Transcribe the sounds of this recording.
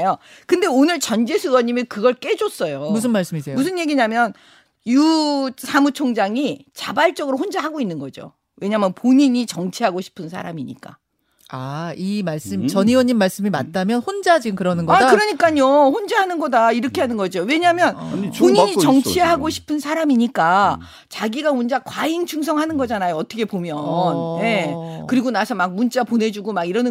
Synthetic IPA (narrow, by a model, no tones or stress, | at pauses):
jo | kɯnde̞onɯɭt͡ɕʌnd͡ʑesʰɯwʌɲːimikɯɡʌɭk͈e̞d͡ʑos͈ʌjomus̬ʰɯnmaɭs͈ɯmisʰejomusʰɯnje̞ɡiɲamjʌn | jusʰamut͡ɕʰoŋd͡ʑaŋit͡ɕabaɭt͡ɕ͈ʌɡɯɾohond͡ʑaɦaɡoinːɯnɡʌd͡ʑo̰ | we̞ɲaɦmjʌnpoɲiɲit͡ɕʌŋt͡ɕʰiɦaɡoɕʰi̥pʰɯnsʰa̰ɾa̰miɲḭk͈a̰ | aimaɭs͈ɯmt͡ɕʌɲiwʌɲːimːaɭs͈ɯmimatt͈amjʌnhond͡ʑad͡ʑinkɯɾʌnɯnɡʌakɯɾʌɲik͈aɲoɸond͡ʑaɦanɯnɡʌdaiɾʌkʰe̞ɦanɯnɡʌd͡ʑiowe̞ɲaɦmjʌnoɲiɲit͡ɕʌŋt͡ɕʰiɦaɡoɕʰi̥pʰɯnsʰaɾamiɲik͈a | t͡ɕaɡiɡaond͡ʑakwaiŋt͡ɕʰuŋs̬ʰʌŋɦanɯnɡʌd͡ʑanajoʌt͈ʰʌkʰepomjʌnje̞kɯɾiɡonasʰʌmak̚munt͡ɕ͈aponɦe̞d͡ʑuɡomaɡiɾʌnɯ